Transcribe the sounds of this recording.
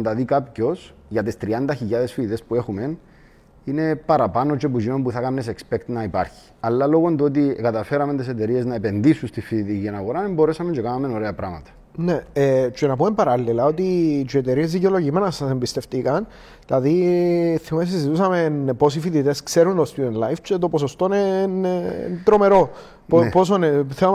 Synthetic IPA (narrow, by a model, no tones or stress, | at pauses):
nt̪ɐðikapco̞s | jʝɐt̪ist̪ɾiɐnd̪ɐçiʎːaðe̞sfiðit̪e̞spue̞xume̞n | ine̞pɐɾɐpanot͡ʃepuzimompuθɐkanːesekspe̞kt̪nɐipa̰ɾçi̥ | ɐlːɐlo̞ɣond̪uot̪̬ikɐt̪ɐfe̞ɾɐme̞nt̪eset̪e̞ɾie̞znɐepe̞nd̪isunst̪ifiðit̪icienɐɣoɾanembo̞ɾesɐme̞ɲt͡ʃekanɐme̞no̞ɾe̞ɐpɾɐmɐ̰t̪ɐ̥ | ne̞et͡ʃenɐpumempɐɾɐlːilɐo̞t̪it͡ʃeet̪e̞ɾie̞zðiceo̞lo̞ʝimenɐsɐsembist̪e̞ft̪ikɐn | tɐðiθimes̬izit̪usɐmenpo̞sifit̪it̪e̞skse̞ɾunt̪ost̪uenlajft͡ʃet̪o̞poso̞st̪o̞nen̰t̪ɾo̞me̞ɾo̞ | popo̞s̬oneθeo